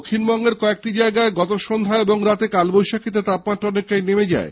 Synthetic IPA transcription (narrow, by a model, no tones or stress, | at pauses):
kʰːinbɔŋɡeɾkɔek̚ʈid͡ʑaeɡaeɡɔt̪oʃond̪ʱaeboŋɾat̪ekalbojʃakʰit̪̬et̪apmaʈːɔnekːajnemed͡ʑa̰e